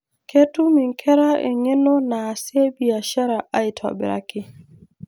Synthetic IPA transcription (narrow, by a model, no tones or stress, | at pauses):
kʰetːumiŋkʰɛɾaʔɛ̰ɲɛnɔnasɛbiaʃaɾaʔajtʰɔ̰bɛ̰ɾa̰ki